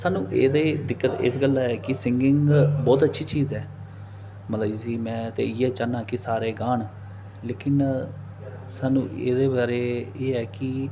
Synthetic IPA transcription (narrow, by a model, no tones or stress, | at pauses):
saːnũːʔeːd̪eːd̪ɪkːət̪ɪ̰sɡəlːaːɛːkɪsɪŋɡɪŋbɔːt̪ətːʃʰiːt͡ʃiːzɛː | məlaːisiːmɛ̃ːt̪ḛːɪjɛːt͡ʃaːnãːkisaːɾeːɡaːɳ | leːkɪn | saːnṵ̃ːḛːd̪eːbaːɾeːeːɛːkɪ